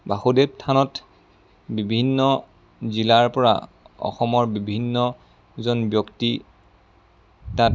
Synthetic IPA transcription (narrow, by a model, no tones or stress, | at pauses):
baxudep̚tʰanɔt | bibʱinːɔ | zilaɹpɔɹa̰ | ɔ̰xɔmɔɹbibʱinːɔ | zɔnbjɔkti | tat